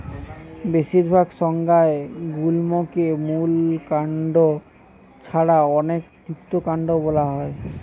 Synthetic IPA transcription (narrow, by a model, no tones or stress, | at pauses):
besiɾbʱaɡsɔŋɡaeɡulmokemulkaɳɖo | t͡ɕʰaɽaɔnekt̪ukt̪okaɳɖobolaɦɔe